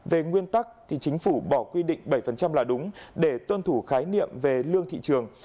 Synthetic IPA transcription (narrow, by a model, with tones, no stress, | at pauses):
ve˨˩ŋwi˧ənt̪a˦˥k̚t̪ʰi˨˩t͡ɕï˨˦ŋ̟fu˧˩ɓɔ˧˩kwi˧ɗḭ̈˧˨ŋ̟ɓə˧˩jfə˨˩nt͡ɕa˧mlaː˨˩ɗʊ˨˦ŋ͡mɗe˧˩t̪wə˧nt̪ʰu˧˩xaː˨˦jnḭ˧˨əmve˨˩lɨ˧əŋt̪ʰḭ˧˨t͡ɕɨ˨˩əŋ